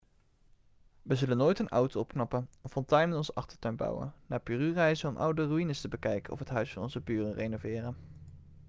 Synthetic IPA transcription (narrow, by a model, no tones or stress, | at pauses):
ʋəzɵlənːoːjtənʌ̰wtowɔpknɑpənɔfɔntɛjnmɛtɔnzəʔɑχtəɹtœɥnbɑ̰wə̰nnaːpyːryːrɛjzənɔmʔʌ̰wdəryinəstəbəkɛjkənɔ̰fɦətɦœɥsfɑnɔnzəpyːrərejnovɪːrən